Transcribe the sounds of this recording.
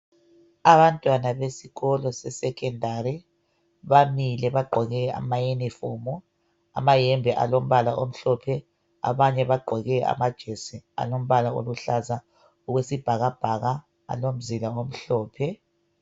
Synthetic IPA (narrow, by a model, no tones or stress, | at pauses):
aβantʼwanaβesiɣɔlɔsɛsɛkʰɛndʱaɾɛ | βamilɛβaɡ͡ǃʱɔɣɛa̰majenifɔmɔ | a̰majɛmbʱɛʔa̰lom̩βalaʔom̩ɬɔpʰɛ | a̰βaɲɛβaɡ͡ǃʱɔɣɛʔa̰mad̥ʒ̥ʱesia̰lom̩βalao̰luɬaza | uɣwesib̥ʱaɣab̥ʱaɣa | a̰lom̩zilaom̩ɬɔːpʰɛ